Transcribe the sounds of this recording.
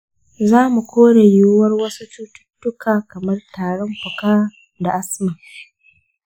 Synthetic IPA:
zaː˦mu˨kʷoː˦ɽe˨ju˦wɐ˦rwɐ˦su˦tu˦tʊ̥˦tːʊ˦kʰaː˨kɐ˨mɐ˦rtaː˨ɽɔ˦mɸʊ˨kaː˦ | da˨ʔa˦sma˨

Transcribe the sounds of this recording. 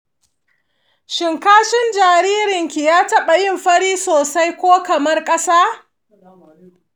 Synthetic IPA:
ʃɪ˨ŋkaː˦ʃɪ˦nd͡ʒaː˨ɾiː˦ɾɪ˨ŋkʲi˨jaː˦tɐ˦ɓa˨jɪ˦˨mɸɐ˦ɽiː˦soː˨sa˦jkʷoː˦kɐ˨mɐ˦rkʼɐ˦saː˦

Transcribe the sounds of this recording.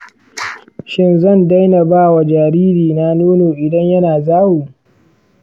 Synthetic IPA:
ʃɪ˦nzɐ˦˨nda˦jnɐ˨baː˦wa˨d͡ʒaː˨ɾiː˦ɾiː˨na˦noː˦noː˨ʔɪ˨dɐ˦ɲjɐ˦naː˨zaː˦wuː˨

